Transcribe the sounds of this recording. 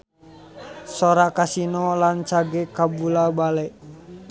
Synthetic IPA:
soɾakasinɔlant͡ʃaɡɛkabulabalɛ

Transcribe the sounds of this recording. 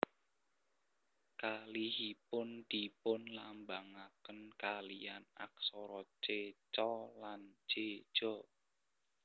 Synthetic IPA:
kalihipʊnd̪̥ipʊnlambaŋakənkalijana̰k̚sɔɾɔ̥d͡ʒ̥et͡ʃɔland͡ʒ̥e̥ʒ̥ɔ

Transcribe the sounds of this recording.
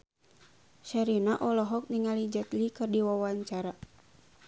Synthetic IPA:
ʃaɾinaʔɔlɔɦɔk̚niŋalid͡ʒat̪likɨrdiwawaɲt͡ʃaɾa

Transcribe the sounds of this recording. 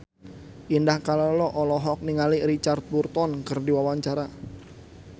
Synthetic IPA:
ʔindahkalɔlɔʔɔlɔɦɔk̚niŋaliɾit͡ʃart̪̚burt̪ɔnkərdiwawaɲt͡ʃaɾa

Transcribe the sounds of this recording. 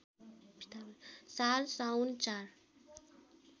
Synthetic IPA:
t̪salsawnt͡ʃaɾ

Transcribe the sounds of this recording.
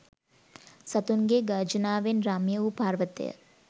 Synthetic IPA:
sɐt̪unɡeːɡaːd͡ʒɐnaːʋenɾaːmjɐʋupaːɾʋɐt̪ḛjə̰

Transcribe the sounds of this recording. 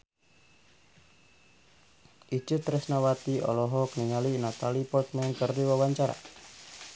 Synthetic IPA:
ʔit͡ʃut̪ɾɛsnawat̪iɔ̰lɔɦɔkəniŋalinat̪alipɔrt̪mɛnkərdiwawaɲt͡ʃaɾa̰

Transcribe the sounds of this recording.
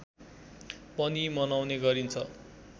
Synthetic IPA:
pʌnimʌnawneɡʌɾint͡sʰʌ

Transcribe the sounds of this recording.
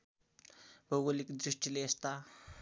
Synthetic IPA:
boɣolikd̪ɾiʂʈʰileːst̪a

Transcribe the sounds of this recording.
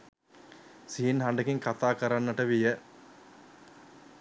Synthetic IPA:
siːnɦaɳɖəkiŋkat̪aːkəɾanːəʈəʋijə

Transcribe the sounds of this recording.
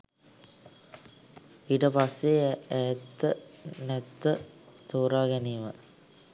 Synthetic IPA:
iʈəpasːeæt̪ːənɛt̪ːət̪oːɾaːɡɛniʋə

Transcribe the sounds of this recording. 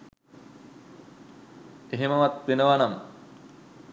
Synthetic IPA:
eɦeməʋat̪̚ʋenəʋanam

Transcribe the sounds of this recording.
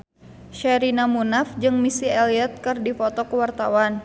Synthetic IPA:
ʃɛɾinamunafd͡ʒɨŋmisiɛliɛt̪̚kɨrdifɔt̪ɔkəwart̪a̰wan

